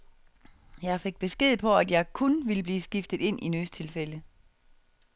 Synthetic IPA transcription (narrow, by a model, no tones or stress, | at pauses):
jɑ̈ɪfe̝ɡ̥̚b̥e̝sɡ̥e̝ð̞̰̩ˠpʰɒ̽æd̥jɑ̈ɪkʰonʋiləb̥liːsɡ̥ifd̥ð̩ˠe̝n̰ʔinyst͡sʰe̝lfelə